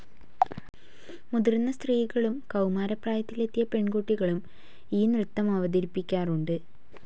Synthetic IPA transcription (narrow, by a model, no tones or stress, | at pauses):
muðirnːɐst̪riːɣɐɭumkɐwmaːɾɐpraːjɐt̪ːile̞t̪ːijɐpe̞ɳɡoʈːiɣɐɭum | iːnrɨt̪ːɐmɐʋɐd̪iɾipːikʲːaːruɳɖɨ